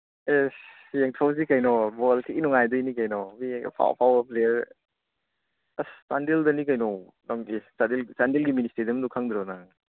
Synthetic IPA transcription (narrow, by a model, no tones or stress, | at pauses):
es | jeŋtʰawzikajnɔbɔltʰiinɔŋajdɔjnikajnɔbḭpʰa̰wpʰawɐpleɾ | astandeldɐnikajnɔw | nɔŋisadilsandilɡiministeɾɐmdukʰaŋdɾɔna